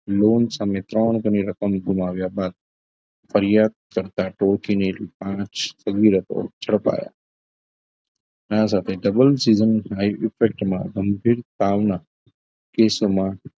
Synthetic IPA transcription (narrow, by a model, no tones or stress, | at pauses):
loːnsãːmẽt̪ɾaːñkɐniɾɐkəmɡʱʊmaːʋijabaːd̪̚ | fɐɾijaːd̪̚kɐɾt̪aʈoːɾkʰineɾipãːt͡ʃsɐɡiːɾət̪o̰t͡ʃʰɐɽpa̰ːja̰ː | nãs̬aːt̪ʰeɖɐbəlsiːzənɦaːiʔɪfek̚ʈmã̰ɡɐmbʱiːɾt̪aːʋna | keːsomã